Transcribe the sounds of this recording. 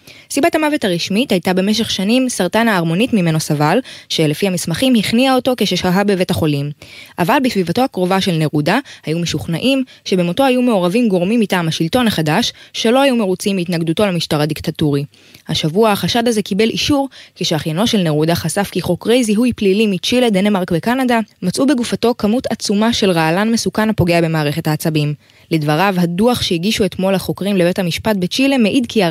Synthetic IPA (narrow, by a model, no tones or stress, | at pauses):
sibatamave̞taʁiʃmithajtabe̞meʃ̬e̞χʃanimsaʁtanaːʁmo̞nitmime̞no̞savalʃe̞le̞fihamismaχimhiχniao̞to̞keʃeʃaɦabe̞ve̞thaχo̞limʔavalbesvivato̞hakʁo̞vaʃe̞lne̞ʁudahajumeʃuχnaʔimʃe̞bemoto̞hajume̞o̞ʁavimɡo̞ʁmimːitaːmhaʃilto̞naχadaʃːe̞lo̞hajume̞ʁut͡simitnaɡd̪uto̞lemiʃtaʁadiktatuʁi | haʃavuaaχaʃadaze̞kibe̞lʔiʃuʁkeʃeaχjano̞ʃe̞lneʁudaχasafkiχo̞kʁejziɦujplilimit͡ʃile̞d̪enemaʁkvekanadamat͡sʔubeɡufato̞kamutʰat͡sumaʃe̞lʁaalanme̞sukanapo̞ɡe̞abe̞maːʁeχe̞thaːt͡sabim | ledvaʁavhaduaχʃeiɡiʃue̞tmo̞lhaχo̞kʁimlebe̞thamiʃpat̚bet͡ʃile̞meʔidkia